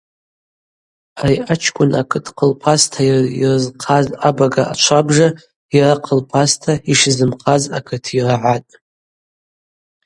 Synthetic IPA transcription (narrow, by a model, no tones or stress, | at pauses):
ariat͡ʃʰkʷʼʊnakʰɨtʰqʰəlpʰastʰairɨzqʰazabaɡaʔa̰t͡ʃʷʰabʐa | iraqʰəlpʰastʰaiʂzɨmqʰazakʰɨtʰiraʕatʼ